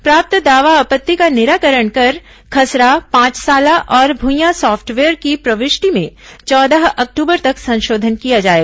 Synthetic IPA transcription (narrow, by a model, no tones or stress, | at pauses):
pɾaːp̚t̪d̪aːʋaɐpət̪ːikanɪɾaːkəɾəɳkɐɾ | kʰɐsɾapãːt͡ʃsaːlaʔɔːɾbʱũjasɔːfʈʋeːəɾkipɾɐʋɪʃʈimẽt͡ʃɔːd̪əɦɐk̚ʈuːbəɾt̪ɐksɐ̃nʃoːd̪ʱənkijad͡ʒaːeɡa